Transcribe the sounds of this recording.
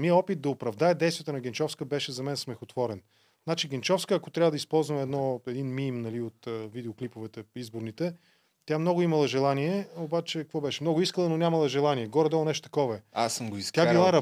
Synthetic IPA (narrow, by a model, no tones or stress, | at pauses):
miəɔpit̪̚d̪ɐopɾɐvd̪aɛd̪ɛjsviət̪ənɐɡʲɛnt͡ʃɔfskəbɛʃɛzɐmɛnsmɛxʊt̪vɔɾɛn | nat͡ʃiɡɛnt͡ʃɔfskəːkot̪ɾʲavəd̪ɐispɔlˠzvəmɛd̪nɔɛd̪inminimnɐliot̪əvid̪ɛoklipovɛt̪ɛizboɾnit̪ɛ | t̪ʲjamnɔɡʊimɐlˠɐʒɛlˠaniɛobat͡ʃɛkkvɔbɛʃɛmnɔɡʊiskəlˠənonʲamɐlˠɐʒɛlˠaniɛɡɔɾɛd̪ɔlˠnɛʃt̪o̥t̪ɐ̥kɔvɐɛasəmɡoist̪ʲailˠaɾɐ